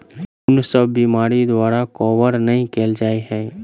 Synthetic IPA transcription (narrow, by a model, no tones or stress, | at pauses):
ʊnsəbːimaːɾid̪waːɾakɔːʋəɾnɐɦĩkeːld͡ʒaːiɦɛ̃ː